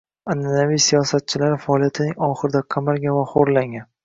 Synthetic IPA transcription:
ananavijsijɒsat̪̚t͡ʃʰɪlaɾɪfaɒlˠijat̪ʰɪnɪŋɒχɨɾɪd̪aqʰamaɾɡʲavaχoɾlaŋʲan

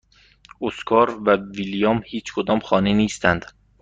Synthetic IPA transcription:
ʔoskʰɒːɾvæviljɒːmhiːt͡ʃʰkʰod̪ɒːmxɒːneniːst̪ʰænd̪

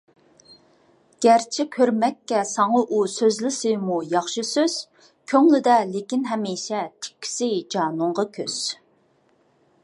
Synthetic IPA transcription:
ɡ̥ʲæɾt͡ʃʰɪkʲʰøɾmɛkʲːɛsɑŋɑʔusøzlɪsɨmujɑχʃɨsøz̥ | kʲʰøŋlɪd̪ɛlɪkʲinɦɛmiːʃɛt̪ʰɪ̥kʲʰːi̥sɪd͡ʒɑːnʊɴʁɑkʲʰøz̥

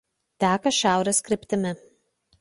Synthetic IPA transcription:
t̪ʲæːkɐʃʲæˑʊɾʲeskɾʲɪpʲt̪ʲɪmʲɪ

